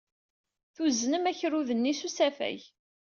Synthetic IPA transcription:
θuznəmæçɾuðənːisusæfæ̰j

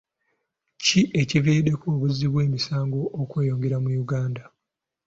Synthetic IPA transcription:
ciʔe̞civiːde̞kuːβuziβwe̞ːmisaːŋɡo̞ʔːkwe̞ːjo̞ːŋɡe̞ɾamujuɡaːnda

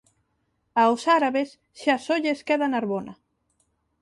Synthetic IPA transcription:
awsaɾaβes | ʃasoʎeskeðanaɾβona

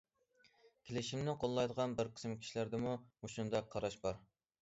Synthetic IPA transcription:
kʲʰelɪʃimnɪqʰolˠːɑjd̪əʁɑnbɪɾqʰə̥smkʲʰi̥ʃilæɾd̪ɪmumuʃund̪ɑqʰːɑɾɑʃbɑɾ

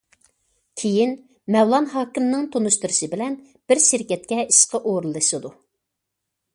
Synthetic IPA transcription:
kʲʰejin | mɛwlˠɑnɦɑːkʲimnɨŋt̪ʰonuʃt̪ɨɾɨʃɨbɪlɛn | b̥ɪɾʃɪɾkʲɛt̪̚kʲɛiʃqʰəʔoɾɨlˠːɨʃɨd̪u

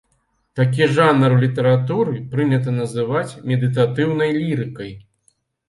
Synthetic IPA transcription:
t̪ak̬ʲiʐanɐrlʲit̪ɐɾat̪uɾɨpɾɨnʲɐt̪̬ɐnɐzɨvat͡sʲmʲɛd̪ɨt̪at̪ɨwnɐjlʲiɾɨkɐj

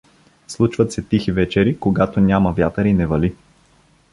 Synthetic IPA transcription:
slˠut͡ʃvət̪sɛt̪ixivɛt͡ʃɛɾikoɡat̪onʲamɐvʲjat̪əɾinɛvɐli

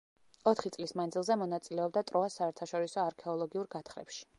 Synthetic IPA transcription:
ɔt̪ʰχit̪sʼlismand̪zilˠzɛmɔnat̪sʼilɛɔb̚d̪at̪ʼɾɔasaɛɾt̪ʰaʃɔɾisɔaɾkʰɛɔlˠɔɡiuɾɡat̪ʰχɾɛ̰pʃi̥

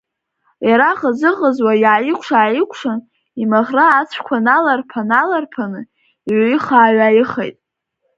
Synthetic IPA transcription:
jaɾaχazɨʁəzwajaːjɪkʷʰʂaːjɪkʷʰʂan | imaʁraːt͡sʷʰkʷʰanalarpʰanalarpʰanɨ | iʕʷiχaːɥajɪχḛjtʼ

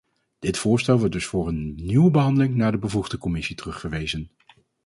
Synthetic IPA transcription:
d̥ɪtfʊːɹstɛlˠʋɔɹt̚dɵsfʊːɹənːywəbəɦɑndəlɪŋnaːɹdəbəvuχdəkɔmɪsitərɵχfəɹʋejzən

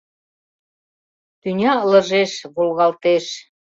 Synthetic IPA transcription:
t̪ynʲɑlə̆ʒeʃβolɣɑlt̪eʃ

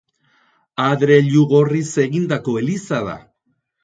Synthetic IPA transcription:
aðɾe̞ʎuɣo̞rise̞ɣind̪ako̞e̞lisaða̰

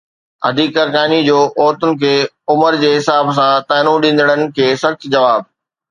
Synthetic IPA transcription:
ɐ̰d̪ʱiːkːɐɾkaːnid͡ʑoːʔoːt̪ʊnɪ̆kʰeː | ʊməɾd͡ʑeːɦɪsaːbs̬ãt̪aːɪnũɗĩːn̆d̪əɽ̃ənɪ̆kʰeːsɐxt̪d͡ʑɐʋaːb̚

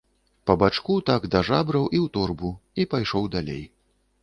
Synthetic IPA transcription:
pɐbat͡ʂkut̪aɡd̪ɐʐabɾɐwʔiwt̪ɔrbuipajʂɔwd̪alʲḛj

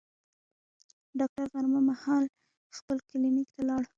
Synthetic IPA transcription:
ɖɑk̚ʈaɾɣaɾmamahɑl | xpəlkɪlimikt̪alɑɽ

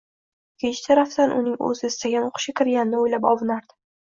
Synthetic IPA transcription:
kʲʰet͡ʃʰɪt̪ʰaɾaft̪anʔʊ̰nɪŋɵ̰zɪɪst̪aɡʲanoqʰʊ̥ʃkʲakʲʰɪɾɡʲanɪnɪojlapɒvɨnaɾd̪ɪ̥

